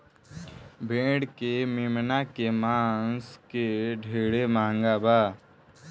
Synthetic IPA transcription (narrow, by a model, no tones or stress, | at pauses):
bʱẽːɽkememnakemãːskeɖʱeːɽemãːŋɡabaː